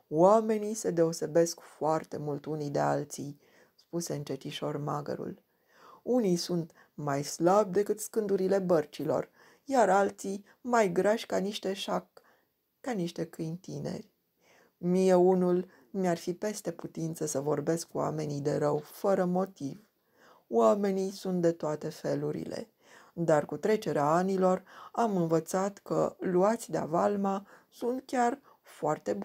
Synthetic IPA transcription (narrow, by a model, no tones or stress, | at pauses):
wame̞nise̞d̪e̞o̞se̞be̞skfoart̪e̞mult̪unid̪e̞a̰lt̪sij | spuse̞ɨnt͡ʃet̪iʃo̞rmaɡə̰ɾṵl | unijsunt̪ | majslab̚d̪e̞kɨt̪skɨnd̪uɾile̞bərt͡ʃilo̞̰r | jaɾalt̪sij | majɡɾaʃʲkaniʃt̪e̞ʃakː | aniʃt̪e̞kɨjnt̪ine̞̰rʲ | mije̞unul | nearfipe̞st̪e̞put̪int̪səsəvo̞rbe̞skuwa̰me̞nid̪e̞ɾəwfəɾəmo̞t̪iv | wame̞nijsunt̪̚d̪e̞t̪oat̪e̞fe̞luɾḭle̞̰ | d̪arkut̪ɾe̞t͡ʃe̞ɾeaanilo̞ramɨnvət̪sat̪kə̰luat̪sʲd̪ea̰valmasunt̪kʲar | foart̪e̞b